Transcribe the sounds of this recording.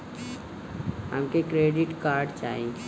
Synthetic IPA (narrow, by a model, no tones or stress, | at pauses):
ɦə̰mkekɾeːɖɪʈkaːɾɖt͡ʃa̰ːɦẽ